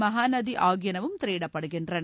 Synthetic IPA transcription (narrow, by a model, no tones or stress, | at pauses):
mɐɦaːnɐd̪iʔaːɡjɐnɐʋumt̪ɾeːɽɐpɐɽɐɡendɾɐn